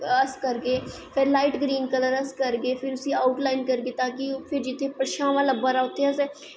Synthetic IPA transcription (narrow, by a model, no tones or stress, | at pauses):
əskəɾɡeː | pʰɪɾlaːɪʈɡɾiːnkələɾəskəɾɡeːpʰɪɾʊsĩːaːʊʈlaːɪnkəɾɡeːt̪ãːkipʰɪɾd͡ʒɪt̪ʰːeːpəʃãːʋãːləbəɾaːʊt̪ʰːeəsɛː